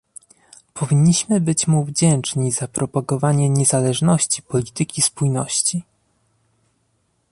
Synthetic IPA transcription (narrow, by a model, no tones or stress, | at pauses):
pʰɔvʲiɲːiɕmɘbɘt͡ɕmuvd͡ʑɛnt͡ʂɲizapɾʔɔpaɡɔvaɲɛɲɛzalɛʐnɔɕt͡ɕipɔlʲit̪ɘkʲispujnɔɕt͡ɕi